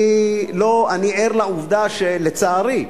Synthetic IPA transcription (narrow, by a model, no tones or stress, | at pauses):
loanieʁlauvd̪aʃelet͡saːʁi